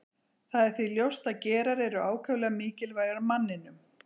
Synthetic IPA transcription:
θaðɛɾ̥θviljowst̪aðcɛːɾaɾɛɾʏaːwkʰœvlɛɣamiːcɪlvaːjɣaɾmanːɪnʏm

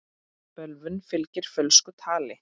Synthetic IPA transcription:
pœlvʏnfɪlcɪɾ̥fœlskʏt̪ʰaːlɪ

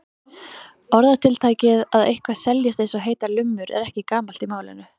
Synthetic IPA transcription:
ɔɾðat̪ʰɪlt̪ʰaːjcɪðaðejhkvḁsɛljɪst̪ejnsɔɦeːjt̪alʏmːʏɾɛ̰ɾɛhcɪkaːmal̥t̪imaːwlɪ̰nːʏ

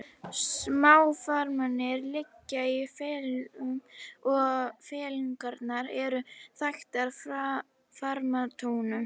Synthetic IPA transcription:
smaːwfaɾmanɪɾlɪcːaiifɛːl | ɔɣfɛːliŋkaɾt̪naɾɛɾʏθajxt̪aɾ̥fɾa | faɾmat̪ʰoːwnʏ

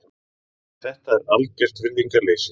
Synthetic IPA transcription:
θɛht̪aɛɾalcɛr̥t̪vɪɾðiŋkaɾleːjs

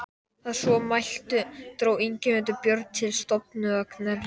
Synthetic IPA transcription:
aðsvɔmajl̥t̪ʏt̪ɾoːwiɲcɪmɛt̪ʏpjœɾt̪̚t̪ʰɪlst̪ɔp̚nʏœknaɾ

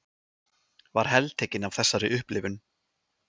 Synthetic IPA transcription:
vaɾ̥ɦɛlt̪ʰeːjcɪnav̥θɛsːaɾɪʔʏhplɪvʏn

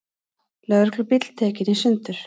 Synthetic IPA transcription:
lœðʏɾklʏpɪt̪l̥t̪ʰɛːcɪnisʏnt̪ʏɾ̥

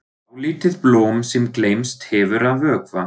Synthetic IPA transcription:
awliːt̪ɪðplɔːmsɛmklejmst̪hɛvʏɾaðvœːkva

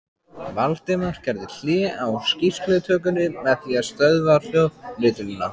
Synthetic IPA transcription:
valt̪ɪmaɾ̥cɛɾðɪl̥ɛːawscisklɛt̪ʰœːk̬ʏnɪmɛðθiaðst̪œðval̥jɔðlɪːt̪ʏnʏnːa̰

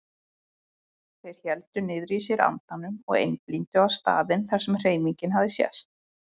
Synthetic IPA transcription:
θejɾ̥çɛlt̪ʏnɪðɾisɪɾa̰nt̪anːʏmɔ̰ɣḛjnplint̪ʏawst̪a̰ːðɪnθaɾ̥sɛmr̥eːjmiɲcɪnɦaðɪsjɛ̰st̪̚

